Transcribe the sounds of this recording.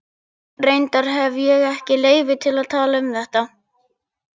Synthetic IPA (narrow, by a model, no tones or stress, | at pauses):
rejnt̪aɾ̥ɦɛvjɛɣɛhcɪleːjvɪt̪ʰɪlaðt̪ʰaːlaʏmθɛht̪a